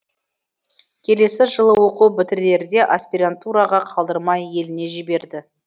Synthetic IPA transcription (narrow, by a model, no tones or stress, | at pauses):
kʲʰe̞le̞sɪʒəlˠəwo̞qubɪt̪ɪɾle̞ɾd̪e̞ʔaspʲiɾant̪uɾɑʁɑqʰɑlˠd̪əɾmɑje̞lɪne̞ʒɪbe̞ɾd̪ɪ